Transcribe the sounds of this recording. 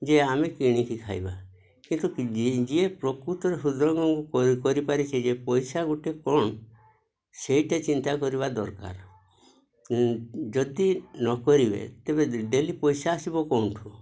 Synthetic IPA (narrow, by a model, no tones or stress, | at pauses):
d͡ʒeamekiɽ̃ikikʰa̰jba | kint̪ukd͡ʒiepɾɔkɾut̪ɔɾesud̪ɾɔŋɡɔŋkukɔɾipaɾit͡ʃʰid͡ʒepɔjsaɡuʈikɔɳ | seiʈat͡ʃint̪akɔɾiβad̪ɔɾka̰ɾ | d͡ʒɔd̪inɔkɔɾibḛt̪ebeɖelipɔjsaːsibɔkɔw̃ʈʰu